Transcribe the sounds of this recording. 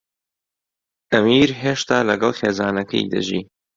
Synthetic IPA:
ʔɐmiːɾɦeːʃt̪aːlɐɡɐlˠxeːzaːnɐkʰɐ̰jd̪ɐ̰ʒḭː

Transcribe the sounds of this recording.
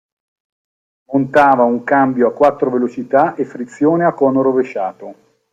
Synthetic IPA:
mont̪aːvauŋkambjoakːwat̪ːɾovelot͡ʃit̪aʔefːɾit̪sːjoːneakːɔːnoɾoveʃːaːt̪o

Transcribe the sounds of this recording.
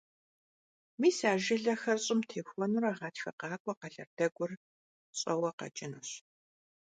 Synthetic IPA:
miːsaːʒɪɮɐxɐrɕʼɪmtʰeːxʷɔnuɾaʁɑːtxɐqɑːkʷʼɔqɐɮɐrd̥ɐɡʷʊr | ɕʼɐwɐqɐ̰t͡ʃʼɪnuɕ

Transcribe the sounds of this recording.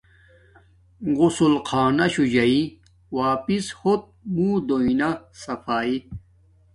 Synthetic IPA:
ɡusulqʰaːnɐɕud͡ʑɐi | waːpishot̪̚muːd̪oinasɐfaːi

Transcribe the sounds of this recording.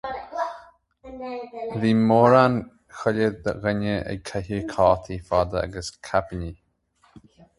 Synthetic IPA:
viːmoːɾan | xələd̪əɣənəɛ̰ɡ̚kʰahikʰɑːt̪ʰifad̪əa̰ɡəskʰapəni

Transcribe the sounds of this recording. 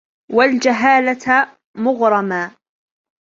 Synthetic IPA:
wald͡ʒaɦaːlat̪ | mʊɣɾˤɑmaː

